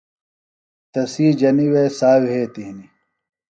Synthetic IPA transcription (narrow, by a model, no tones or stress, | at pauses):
t̪ɐsiːd͡ʑɐniwesaːwɦeːt̪iɦni